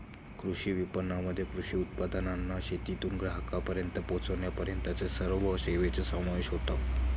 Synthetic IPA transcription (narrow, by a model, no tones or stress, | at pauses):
kɾuɕiːʋipənːaməd̪ʱːjekɾuɕiːut̪̚pad̪ənanːaɕet̪it̪uːnɡɾaɦəkapəɾjənt̪əpot͡səʋnjapəɾjənt̪at͡sesəɾʋəseʋet͡sesəmaʋeɕɦot̪a